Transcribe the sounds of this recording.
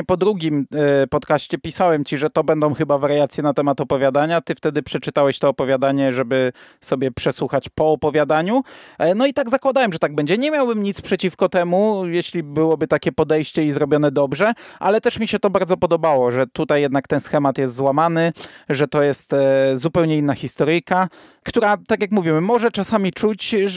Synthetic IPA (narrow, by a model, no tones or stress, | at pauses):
pɔd̪ɾuɡʲimpɔt̪kaɕt͡ɕɛpʲisawɛmt͡ɕiʐɛt̪ɔbɛnd̪ɔ̃w̃xɘbavaɾjat̪sʲjɛnat̪ɛmat̪ɔpɔvʲjad̪aɲat̪ɘft̪ɛd̪ɘpʂɛt͡ʂɘt̪awɛɕt̪ɔːpɔvʲjad̪aɲɛʐɛbɘsɔbʲjɛpʂɛswuxat͡ɕpɔːpɔvʲjad̪aɲunɔit̪aɡzakwad̪awɛmʐɛt̪aɡ̚bɛɲd͡ʑɛɲɛmʲjawbɘmɲit̪spʂɛt͡ɕifkɔt̪ɛmujɛɕlʲibɘwɔbɘt̪akʲɛpɔd̪ɛjɕt͡ɕɛizɾɔbʲjɔnɛd̪ɔbʐɛʔalɛt̪ɛʂmʲiɕɛt̪ɔbaɾd̪zɔpɔd̪ɔbawɔʐɛt̪ut̪ajːɛd̪nakt̪ɛnsxɛmat̪jɛst̪zwamanɘʐɛt̪ɔjɛst̪zupɛwɲɛinːaxʲist̪ɔɾɘjka | kt̪uɾat̪akjakmuvʲiwɘmɔʐɛt͡ʂasamʲit͡ʂut͡ɕ